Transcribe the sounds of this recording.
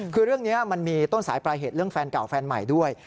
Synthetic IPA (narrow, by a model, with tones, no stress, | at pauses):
kʰɯː˧ɾɯ˥˩əŋniː˦˥a˥˧˩ma˧nmiː˧t̪o˥˩nsaː˩˦jpɾaː˧jɦeː˨˩t̪̚ɾɯ˥˩əŋfɛː˧nka˨˩wfɛː˧nma̰˨˩jdu˥˩əj